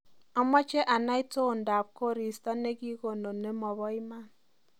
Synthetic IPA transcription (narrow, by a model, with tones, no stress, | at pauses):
ɔ˦mːɔ˦t͡ʃe˦ʔa˨na˦i˦to˦˨n̩˨da˨p̚ko˦ɾi˨sta˦ne˦ɡi˦ko˨no˨nːe˦mɔ˨bɔ˦i˦ma˦˨n